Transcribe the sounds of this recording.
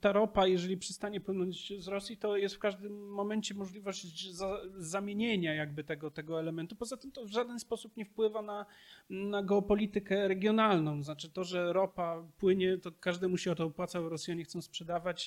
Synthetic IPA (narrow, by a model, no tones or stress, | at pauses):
t̪aɾɔpajɛʐɛlʲipʂɛst̪aɲɛpwɘnɔɲd͡ʑzɾɔsʲjit̪ɔjɛst̪fkaʐd̪ɘmːɔmɛnt͡ɕɛmɔʐlʲivɔʑd͡ʑzazamʲjeɲeɲajaɡ̚bɘt̪ɛɡɔt̪ɛɡɔɛlɛmɛnt̪upɔzat̪ɘmt̪ɔvʐad̪ɛnspɔsupɲɛfpwɘvana | naɡɛɔpɔlʲit̪ɘkɛɾɛɡʲjɔnalnɔ̃w̃znat͡ʂɘt̪ɔʐɛɾɔpapwɘɲɛt̪ɔkaʐd̪amuɕiɔt̪ɔɔpwat̪saɛɾɔsʲjaɲɛxt̪sɔ̃w̃spʂɛd̪avat͡ɕ